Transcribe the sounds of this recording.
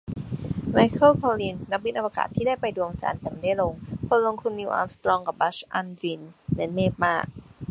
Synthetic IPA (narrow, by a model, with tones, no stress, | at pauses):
ma˧jkʰɤ˥˩kʰɔː˧liː˧˩nna˦˥p̚wi˦˥nʔa˧waː˧ka̰ː˨˩t̪ʰːiː˥˩daː˥˩jpa˧jdu˧t͡ɕa̰ː˧nt̪ɛː˨˩ma˦˥˩da˥˩jlo˧ŋkʰo˧nlo˧ŋt̪ʰu˧nːi˧ʔɔ̰ː˧nst̪ɾɔː˧ŋka˨˩p̚ba˦˥t͡ɕʔa˧nd̪ɾi˧˩nːɯ˦˥nmeː˥˩p̚maː˥˩k̚